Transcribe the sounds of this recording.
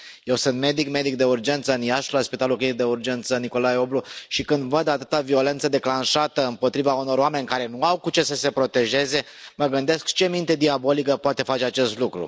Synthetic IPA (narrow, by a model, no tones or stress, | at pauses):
je̞wsɨnt̪me̞d̪ikme̞d̪ik̚d̪e̞urd͡ʒe̞nt̪səɨnjaʃlaspit̪alukid̪e̞urd͡ʒe̞nt̪səniko̞lajo̞bluʃikɨnd̪vəd̪at̪ɨt̪avio̞le̞nt̪səd̪e̞klanʃat̪əɨmpo̞t̪ɾivauno̞ɾoame̞nʲkaɾe̞nuawkut͡ʃe̞səse̞pɾo̞t̪e̞ʒe̞ze̞ | məɡɨnd̪e̞skt͡ʃe̞mint̪e̞d̪iabo̞likəpoat̪e̞fat͡ʃeat͡ʃe̞st̪lukɾṵ